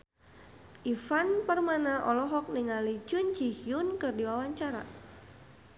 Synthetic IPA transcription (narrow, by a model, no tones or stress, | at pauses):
ʔifanpərmanaʔɔlɔɦɔk̚niŋalid͡ʒʊnt͡ʃihiʊnkɨrdiwawaɲt͡ʃaɾa̰